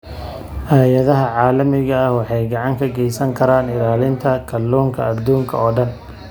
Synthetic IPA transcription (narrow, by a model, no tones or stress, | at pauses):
haːjɐðɐɦɐʕɑːlɐmɪɣɐːhwɑħɑjɡɑʕɑŋkʰɐɡɛjsɐŋkʰɐɾaːnɪlaːlɪnt̪ʰɐkʰɐlːuːŋkʰɐɐd̪uːŋkʰɐ̰ɔːɖɐn